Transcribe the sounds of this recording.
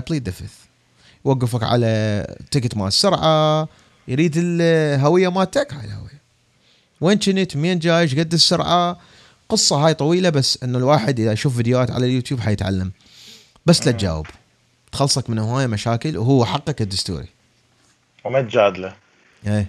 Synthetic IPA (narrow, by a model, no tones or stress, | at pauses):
blid̪ɪfɪθ | jwaɡːɪfakʕa̰lat̪ɪkt̪ma̰ːsːʊɾʕa | jɾiːd̪ɪlɦawɪjːamaːt̪akʕajalha̰wɪ̰jːa | weːnt͡ʃɪnit̪meːnd͡ʒaːjɪʃɡad̪ːsːʊɾʕa | qɨsˤːɑɦaːjt̪ˤɑwiːlabasːʔɪnːalwaːħɪd̪ʔəðaʔʃuːfvid̪jwaːt̪ʕa̰laljuːt̪juːbħajɪt̪ʕa̰lːam | basːlat̪̚d͡ʒa̰ːwɪ̰b | t̪xɑlːsˤɑkmɪnhʊwaːjmaʃaːkɪlwɦuːaħɑqːɑkɪd̪ːʊst̪ṵːɾḭ | mat̪̚d͡ʒaːd̪la | ʔeː